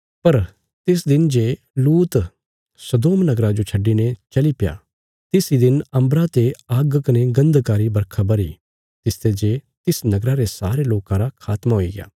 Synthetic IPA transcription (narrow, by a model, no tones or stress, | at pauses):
pɐɾ | t̪ɪsd̪ɪnd͡ʒeː | luːt̪ | sɐd̪oːmnɐɡɾad͡ʒot͡ʃʰɐɖːinet͡ʃɐlipja̰ː | t̪ɪsid̪ɪnɐ̃mbɾat̪eaɡkɐneɡɐ̃nd̪kaːɾibɐɾkʰabɐɾḭː | t̪ɪst̪ed͡ʒeːt̪ɪsnɐɡɾaɾesa̰ːɾeloːkãɾakʰaːt̪maɦoiɡɪja̰ː